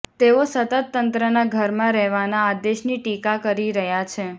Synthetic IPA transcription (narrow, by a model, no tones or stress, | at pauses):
t̪eosət̪ət̪ːənt̪ɾənaɡʱəɾmãɾɛɦʋanaːd̪eʃniʈikakəɾiɾəɦjat͡ʃʰe